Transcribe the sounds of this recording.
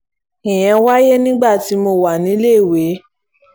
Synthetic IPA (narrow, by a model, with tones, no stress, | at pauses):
ĩ˨j̃ɛ̃˧wa˦je˦nĩ˦ɡ͡ba˦˨ti˨˧˦mo˧wa˨nĩ˨˦le˦˨we˨˦